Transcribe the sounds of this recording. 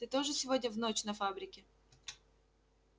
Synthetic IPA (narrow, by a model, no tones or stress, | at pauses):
t̪ɨt̪o̞ʐɨsʲɪvo̞dʲnʲəvnot͡ɕnɐfabɾʲɪkʲɪ